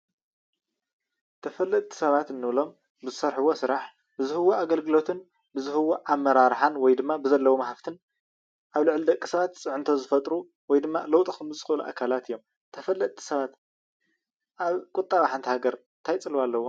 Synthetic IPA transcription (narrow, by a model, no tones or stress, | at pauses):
t̪ʰɐfɐlːɐt̪t̪ʼʰːi̥sɐβat̪ɨnːɨβlo̞m | bɨzɨsɐɾħɨwo̞sɨɾaħ | bɨzɨhɨwoaɡɐlɡɨlo̞t̪ʰɨn | bɨzɨhɨwoʔamːɐɾaɾħanwɔjd̪ɨmːabɨzɐlːɐwomɐhaft̪ʰɨn | ʔaβlɨʕlid̪ɐkʼːisɐβat̪t͡sʼɨʕɨnt̪ʰo̞zɨfɐt̪ʼɾu | wɔjd̪ɨmːa̰lɐwt̪ʼikɨmɨst͡sʼɨxɨluʔa̰kʰalat̪ʰɨjːo̞m | t̪ʰɐfɐlːɐt̪ʰʼːi̥sɐβat̪ | ʔaβkʼʊt̪ʼːaβaħant̪ʰihaɡɐɾ | t̪ʰajt͡sʼɨlwalːɐwːom